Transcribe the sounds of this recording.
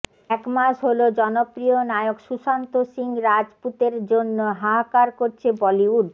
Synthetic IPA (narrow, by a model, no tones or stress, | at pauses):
ɛkmaʃɦolod͡ʑɔnopɾionaeokʃuʃant̪osiŋɾad͡ʑput̪eɾd͡ʑonːoɦaɦakaɾkoɾt͡ɕʰebɔliuɖ